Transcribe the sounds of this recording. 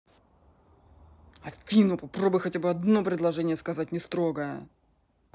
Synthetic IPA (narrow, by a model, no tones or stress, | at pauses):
ɐfʲinʊpɐpɾobʊjxɐtʲabɨɐd̪no̞pɾʲɪd̪lˠɐʐɛnʲɪjəskɐzat̚ʲnʲɪst̪ɾo̞ɡəjə̰